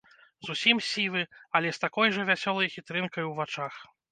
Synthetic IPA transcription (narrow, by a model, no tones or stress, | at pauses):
zusʲimsʲivɨɐlʲɛst̪akɔjʐɐvʲasʲɔlˠɐjxʲit̪ɾɨnkɐjwvat͡ʂax